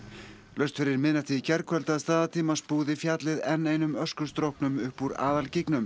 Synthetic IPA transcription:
lœst̪fɪɾɪɾmɪðnat̪ʰiicɛɾkʰvœlt̪aðst̪aːðat̪ʰiːmaspuːðɪfjaːt̪lɪðɛnːeːjnʏmœskʏst̪ɾowhpnʏmʏhpːuɾa̰ːðalcɪknʏm

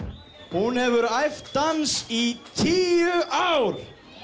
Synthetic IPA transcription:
hunhɛvʏɾajft̪ːansit̪ʰiːʏʔawɾ̥

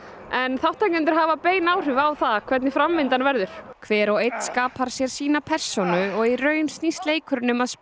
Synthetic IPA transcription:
ɛnθawht̪ːajk̪ʏnt̪̬ɪ̥ɾ̥ɦaːvapeːjnaːwr̥ʏvawθakʰvɛt̪nɪfɾamvɪnt̪anvɛɾðʏɾ̥kʰvɛːɾɔɣejt̪skaːpʰaɾ̥sjɛɾ̥siːnapʰɛr̥sonʏɔɣirœːɥnst̪nist̪leːjkʰʏɾʏnːʏmaðs

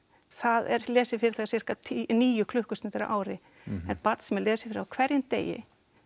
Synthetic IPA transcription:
θaðɛ̰ɾ̥lɛːsɪfɪɾɪɾθaɣasfɪr̥kat̪ʰiniːjʏkʰlʏhkʏst̪ɪnt̪ɪɾa̰ʔaːwɾɪ | ɛnpaɾt̪sɛmɛɾlɛːsɪ̥fɪɾɪawkʰvɛɾjɪnt̪ḛːjɪ̰

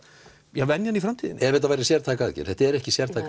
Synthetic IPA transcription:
jɛɣvɛnjanifɾamt̪ʰiːðɪ̰nʔɛɾvɛt̪avajɾɪsjɛɾt̪ʰaːkaaðcɛ̰ɾ̥θɛht̪aɛɾɛhcɪsjɛɾt̪ʰaːk

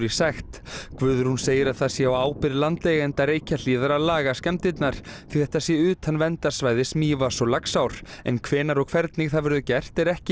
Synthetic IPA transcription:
ɾisaxt̪kvʏːðʏɾ̥hunseːjɪɾaðθaðsjɛawaːwpɪɾlant̪lɛɣaɛnt̪aɾeːjcaliːðaɾalaːɣascɛmt̪ɪt̪naɾ̥θiθɛht̪asjɛʏːt̪hanːvɛnt̪ḁsvaːjðɪsmiːvasɔlaksawɾ̥ɛ̰nkʰvɛːnaɾɔɣkʰvɛɾt̪niɣθaðvʏɾðʏcɛr̥t̪ɛɾɛhcɪ

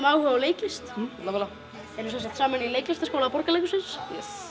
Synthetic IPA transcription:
maːwhʏvawleːjcɪst̪ɛlːavɛlːa | ɛɾnːusɛns̬ḁkt̪saːmanileːjclɪst̪askoːwlapɔɾkalejkʏsɪns

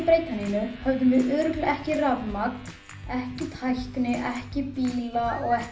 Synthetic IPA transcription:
pɾeːjt̪aninʏhœvðʏmɪʔœːɾʏk̪lɛhcɪravmak̪ | ɛhcɪt̪ʰajht̪ɪnɪʔɛhcɪpiːlaɔɣɛ

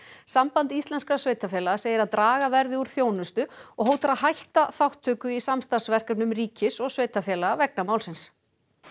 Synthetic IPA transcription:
sampant̪ist̪lɛnskɾasveːjt̪afjɛːlaɣasejɪɾaðt̪ɾaːɣavɛɾðɪuɾ̥θjoːwnʏst̪ʏɔɣɦowt̪aɾaðɦajht̪aθawht̪ʰːʏːkʏisamst̪ansvɛr̥kʏnʏmriːcɪsɔɣsveːjt̪afjɛːlaavɛk̚namawlsɪns

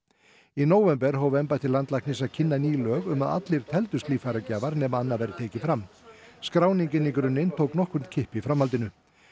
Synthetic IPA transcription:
inoːwvɛmpɛɾ̥ɦaːwvɛmpaɛht̪ɪlant̪lajknɪsacʰɪnːaniːlœːɣʏmaða̰t̪lɪɾ̥t̪ʰɛlt̪ʏst̪liːfajɾacaːvaɾnɛmaanːavɛjɾʏt̪ʰeːjcɪfɾam | skɾaːwniɲcɪnːikɾʏnːɪnt̪ʰoːwknɔhkʏmt̪̚cʰɪhpifɾamhalt̪ɪnʏ

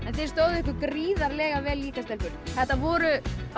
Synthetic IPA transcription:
ɛnθejɾ̥st̪oːwðʏɪhk̬ʏkɾiːðaɾlɛːɣavɛːlːiːkast̪ɛlfʏɾθɛht̪ːavɔːɾʏ

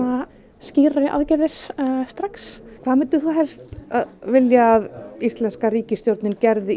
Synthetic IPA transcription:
a | sciːɾaɪʔa̰ðcɛðɪɾ̥sst̪ɾakskʰvaːðmɛnt̪ʏθuɦɛlst̪aðvɪljaːðist̪lɛnskariːcɪst̪jowɾt̪nɪncɛɾðɪ

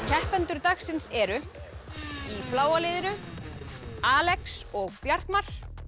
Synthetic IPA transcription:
kʰɛhpɛnt̪ʏɾt̪axsɪnsɛɾʏ | iflaːwalɪːðɪnʏ | aːlɛksɔɣpjaɾ̥t̪mar̥

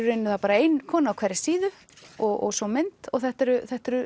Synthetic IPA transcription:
ʏɾɪnːʏθapaːɾaejnkʰɔːnaːwkʰvɛɾɪsiːðʏ | ɔɣɔ̰ɣsɔmɪnt̪ɔɣθɛht̪ɛɾʏθɛht̪ɛɾʏ

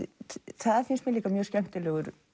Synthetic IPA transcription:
θaðafɪnst̪mjɛliːkamjœ̥ːscɛm̥t̪ɪlɛːɣʏɾ

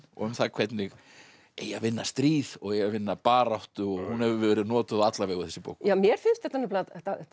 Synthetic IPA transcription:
ɔ̰ɣʏmθakʰvɛt̪nɪɣ | ejavɪnːast̪ɾiːðɔɣejavɪnːapaːɾawht̪ʏɔɣhunɛvʏvɛːɾɪðnɔːt̪ʏðat̪lavɛːɣʏθɛsːɪpo̰wkjamjɛɾ̥fɪnst̪θɛht̪ːanɔplat̪a

